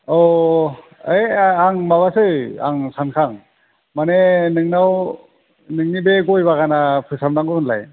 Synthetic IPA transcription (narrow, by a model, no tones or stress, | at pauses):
ɔ | ejaŋmaβasɯja̰ŋsankʰaŋ | manenɯŋnaw | nɯŋnibeɡɔjbaɡanapʰɯsamnaŋɡɯɯnla̰j